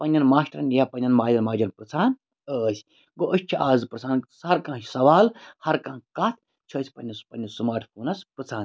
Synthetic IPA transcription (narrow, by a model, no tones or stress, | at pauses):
pɐnʲːɐnmaːʃʈɾɐnjapɐnʲːɐnmaːd͡ʒɐnmaːd͡ʒɐnpɾɨt͡sʰaːn | əːsʲ | ɡoʔəʃʲt͡ʃʰiʔaːzɨpɾɨt͡sʰaːnsɐɾkãːsɐʋaːlhɐɾkãːkɐt̪ʰ | t͡ʃʰɐːsʲpɐnʲːɐspɐnʲːɐsumaːʈʰpuːnɐspɾɨt͡sʰaːn